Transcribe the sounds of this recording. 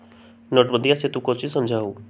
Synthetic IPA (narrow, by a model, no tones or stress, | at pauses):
nɔʈbə̃nd̪ijaset̪ũkɔːt͡ʃisəmd͡ʒʱaːɦoː